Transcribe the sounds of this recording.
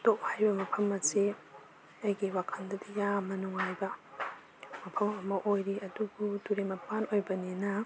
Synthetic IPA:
toʔhajbɐmɐpʰɐmɐsi | ɐjɡiwakʰɐndɐdijamɐnuŋhajbɐ | mɐpʰɐmɐmɐʔojɾiɐduɡuduɾemɐpanojbɐninɐ

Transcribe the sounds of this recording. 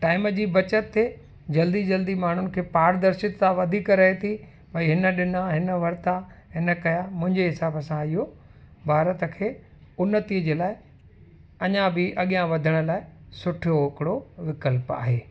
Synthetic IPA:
ʈaːɪməd͡ʑiːbɐt͡ɕət̪ʰːe | d͡ʑɐld̪id͡ʑɐld̪imaːɳ̤ʊnɪ̆kʰeːpaːɾd̪ɐɾsɪt̪t̪aʋɐd̪ʱikɾɐɦet̪ʰi | bɐiɦɪnə̆ɗɪnaɦɪnəʋɐɾt̪aɦɪnə̆kɐjamʊ̃ɦɪ̃ɲd͡ʑeɦɪsaːbəsãɪɦo | bʱaːɾət̪ə̆kʰeː | ʊnət̪iəd͡ʑeːlaːɪ | ɐɲãbɪʔɐɠijãʋɐd̪ʱəɽ̃ə̆laːɪsʊʈʰoɪkɪɽoʋɪkəlpa̰ːɦeː

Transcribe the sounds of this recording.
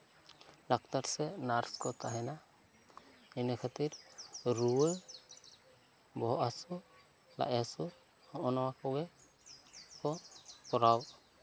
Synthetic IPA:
lakt̪aɾsɛnaɾskɔt̪aɦɛna | ɛnəkʰat̪iɾɾuwə | bɔɦɔʔasu | la̰ʔasu | ɔʔɔnawakɔbɛ | kɔkɔɾaw

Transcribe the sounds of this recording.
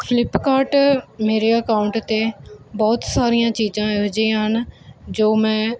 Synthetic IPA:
pʰɪlɪpkaːɾʈmeːɾeːəkaːʊɳʈt̪eːbɔːt̪saːɾijãːt͡ʃiːd͡ʒãːd͡ʒĩɦənd͡ʒoːmɛ̃ː

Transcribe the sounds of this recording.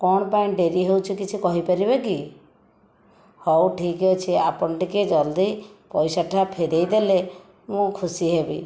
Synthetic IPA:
kɔɽ̃ɔpaĩɖeɾiɦewt͡ʃʰɔkit͡ʃʰikɔɦipaɾibeki | hɔwʈʰikɦot͡ʃʰiapɔɳʈiked͡ʒɔld̪ipɔjsaʈʰapʰeɾejd̪ele | mũkʰusiɦebi

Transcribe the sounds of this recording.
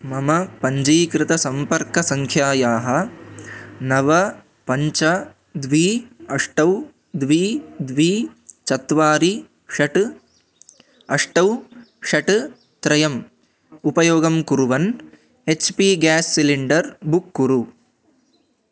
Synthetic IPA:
mɐmɐpɐɲd͡ʒiːkɾɪt̪ɐsɐmpɐɾkɐsɐŋkʰjaːjaːɦɐ | nɐʋɐ | pɐɲt͡ʃɐ | d̪ʋiːɐʂʈɐw | d̪ʋiːd̪ʋiːt͡ʃɐt̪ʋaːɾi | ʃɐʈ | ɐʂʈɐw | ʃɐʈ | t̪ɾɐjɐm | upɐjoːɡɐmkuɾuʋɐn | et͡ʃpiːɡæːsːiliɳɖɐɾbukːuɾu

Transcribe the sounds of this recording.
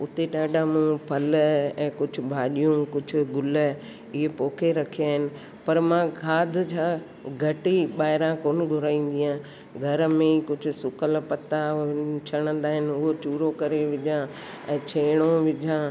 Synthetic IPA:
ʊt̪eɗaːɗʱãmũpʰɐlɛ̃ːkʊd͡ʑʱʊ̆bʱaːɗijũkʊd͡ʑʱʊ̆ɡʊlə | ɪɦepoːkʰeɾɐkʰiaːɦɪnɪ̆ | pɐɾmãkʰaːd̪ʱd͡ʑʰãː | ɡʱɐʈiɓaːɦɪɾãkoːnɪɡʱʊɾaːĩːn̆d̪ijãː | ɡʱɐɾəmẽkʊd͡ʑʱʊ̆sʊkəlpɐt̪at͡ɕʰɐɽ̃ə̃nd̪aːɦɪnʊɦot͡ʃuːɾokɐɾeʋɪd͡ʒʱã | ɛ̃ːt͡ɕʰeːɽ̃oʋɪd͡ʑʱã

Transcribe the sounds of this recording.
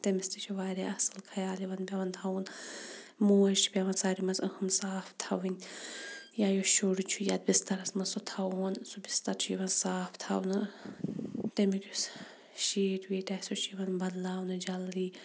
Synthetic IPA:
t̪emist̪it͡ʃʰuʋaːɾʲeɐsɐlkʰɐjaːliʋɐnbʲɐʋɐnt̪ʰawun | moːt͡ʃʰi̥pʲɐʋɐnsaːɾimɐnzəhɨmsaːfʰt̪ʰɐʋɨnʲ | jaːjoʃoɽut͡ʃʰujat̪̚bʲist̪ɐɾɐsmɐnsot̪ʰɐunsubist̪ɐɾt͡ʃʰuiʋɐnsaːft̪ʰɐ̰wnɨ | t̪emikʲʰus | ʃiːʈʋiːʈɐsot͡ʃʰiʋɐnbɐd̪laːwnɨd͡ʒɐlːiː

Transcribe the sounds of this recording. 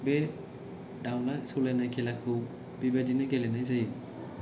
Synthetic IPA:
be | dawnasulenajkʰelakʰɯw | bibadinaɡelenajzaji

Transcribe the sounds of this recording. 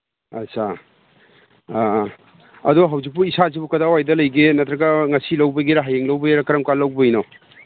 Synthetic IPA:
ɐ̰sʰa | ɐdoɦawzik̚puisazibukɐdawajdɐlɐjɡenɐtɾɐɡɐŋɐsilɐwbɐɡiɾaɦajeŋlɐwbɐeɾɐkɐɾɐmkalːɐwbɐino

